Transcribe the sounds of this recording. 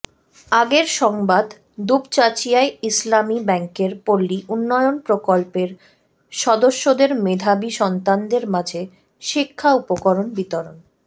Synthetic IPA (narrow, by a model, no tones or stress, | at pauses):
aɡeɾʃɔŋbad̪ | d̪ubt͡ɕat͡ɕijaeislamibɛŋkeɾpolːiʔunːɔjonpɾokolpeɾ | ʃɔd̪oʃːod̪eɾmed̪ʱabiʃɔnt̪and̪eɾmad͡ʑʱe | ʃikʰːaupokɔɾonbit̪ɔɾo̰n